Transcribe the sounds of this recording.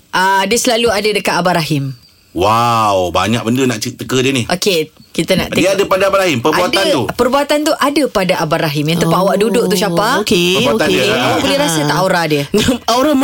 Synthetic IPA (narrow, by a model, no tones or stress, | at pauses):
ʔadiəsəlaluadadəkat̪abaɾaɦɪm | wawba̰ɲãk̚bəndənaʔt͡ʃit̪ːəkədiənihʔokekit̪ana̰ʔtd̪əiadəpadaabaɾahɦimpərabuatd̪aupərbuat̪ant̪uʔadapadaʔabaɾaɦɪmjaŋt̪əpaʔawaʔdudʊʔ̚t̪usapakəbuat̪aəabuleɾasət̪aʔoɾadiənaoɾam